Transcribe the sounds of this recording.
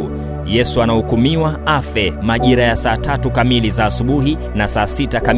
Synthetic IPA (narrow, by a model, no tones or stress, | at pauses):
jɛsuanahukumiwaafɛmaʄiɾajasaːtatukamilizaːsuɓuɦi | nasaːsitakam